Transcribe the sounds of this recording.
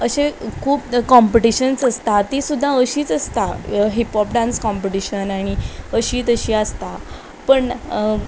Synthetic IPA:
əɕekʰuːpkɔmpiʈiɕənsəst̪at̪isud̪ʱːaəɕiːt͡səst̪aɦipɔp̚ɖãnskɔmpiʈiɕənaɽ̃iəɕiːt͡səɕiːast̪a | pəɳ

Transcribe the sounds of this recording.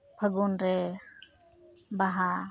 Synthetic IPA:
bʱəɡunɾɛ | baɦa

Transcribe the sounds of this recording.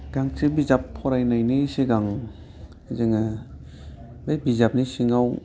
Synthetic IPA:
ɡ̥aŋsebizapʰːɔɾajnajnɯseɡaŋ | zɯŋa | bajbizap̚nisiŋaw

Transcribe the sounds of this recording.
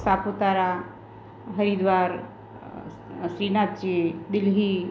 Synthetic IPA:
saput̪aɾa | ɦəɾid̪ʋaɾ | sɾinatt͡ʃed̪ilɦi

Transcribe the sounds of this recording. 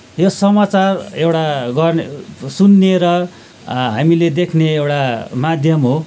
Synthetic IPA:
josʌmat͡sarewʈaɡʌrnsunːeɾʌ | ɦamiled̪ekʰneewʈamad̪ʱjʌmɦo

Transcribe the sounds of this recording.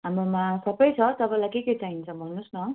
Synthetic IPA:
ɦamɾomasʌbʌjt͡sʰʌt̪ʌpʌ̃lajkeket͡saint͡sʰʌbʱʌnːusnʌ

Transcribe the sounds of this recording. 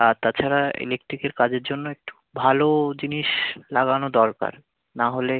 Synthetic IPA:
at̪at͡ɕʰaɾaḛlek̚ʈɾikeɾkad͡ʑeɾd͡ʑonːoek̚ʈu̥bʱalod͡ʑiniʃlaɡanod̪ɔlka̰ɾ | naɦole

